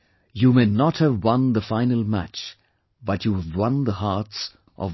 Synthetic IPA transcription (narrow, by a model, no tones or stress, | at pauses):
jumenɔt̚həvwʌ̃nðəfãɪnəlˠmæ̰t͡ʃ | b̥ʌtʰjuvwʌ̃nðəhats | ʔɔ̰